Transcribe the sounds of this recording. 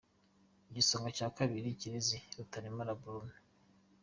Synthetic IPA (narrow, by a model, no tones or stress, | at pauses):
iɟisoŋɡocaːkaβiɾiciɾiziɾutaɾimaɾabuɾume